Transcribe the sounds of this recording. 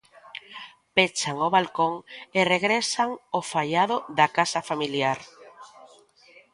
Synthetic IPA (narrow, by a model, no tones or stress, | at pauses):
pet͡ʃaŋoβalkoŋereɣɾesaŋofaʎaðoðakasafamiljaɾ